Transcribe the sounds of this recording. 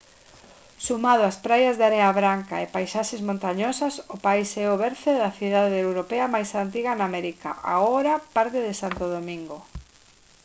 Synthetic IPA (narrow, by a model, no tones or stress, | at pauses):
sumað̞oaspɾajazðaɾeaβɾaŋka̰epajsaʃezmõnt̪aɲosasʊpaisɛoβɛɾθeðaθiðaðeewɾopeɐmajsant̪iɣɐnamɛɾika̰ʔa̰ɣoɾɐpaɾt̪eðɪsant̪oð̞omĩŋɡo